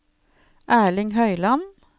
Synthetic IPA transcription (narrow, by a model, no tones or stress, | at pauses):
ʔæːɭɪŋhœʏlɑn